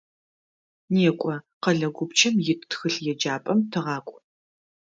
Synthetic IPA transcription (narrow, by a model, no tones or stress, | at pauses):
neːkʷʼɔqɐɮɐɡʷʊpt͡ʃʰʼɐmjɪttxɨɬjɛd͡ʒaːpʼɐmtʰɨʁɑːkʷʼ